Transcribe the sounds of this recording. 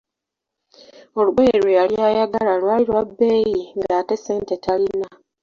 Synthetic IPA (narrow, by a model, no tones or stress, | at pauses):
o̞luɡejeɾwejaljaːjaɡalalwaːliɾwabːe̞ːjiŋɡaːte̞se̞ːnte̞tʰalinːa